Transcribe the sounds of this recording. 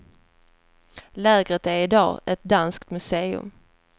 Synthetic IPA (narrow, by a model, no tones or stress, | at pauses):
lɛːɡʁət̪æɾɪd̪ɑ̰ːɛt̪̚d̪anskt̪mɵseːɵ̰m